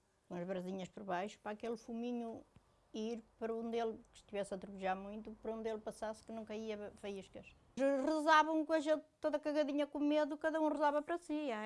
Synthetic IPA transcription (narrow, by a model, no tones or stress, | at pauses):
kõɐʒβɾɐziɲɐʃpɔɾβajʃu̥pɾakelˠfumiɲu | iɾpɐɾɐõnd̪elˠkɨ̥ʃt̪ivɛsɐt̪ɾupɨʒaɾmũj̃t̪upɐɾɐõnd̪elˠpɐsaskɨnɐ̃w̃kɐiɐfɐjiʃkɐʃ | ʁɨzaβɐ̃w̃kõɐʒẽnt̪t̪ːoðɐkɐɣɐðiɲɐkũmeðukɐðɐũʁɨzaβɐpɾɐsiɛ